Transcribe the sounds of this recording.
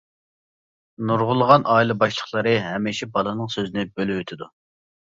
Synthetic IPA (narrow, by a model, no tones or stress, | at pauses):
nuɾʁʊlˠəʁɑnʔɑːjilˠɨbɑʃlˠəχlˠəɾɨɦɛmɪʃɛbɑlˠɨnɨŋsøzɪnɪbølɪwøt̪ʰɪd̪u